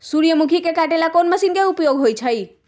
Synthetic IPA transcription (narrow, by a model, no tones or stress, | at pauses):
suɾijəmukʰikekaʈelakonməsinkeupjoɡɦojt͡ʃʰəj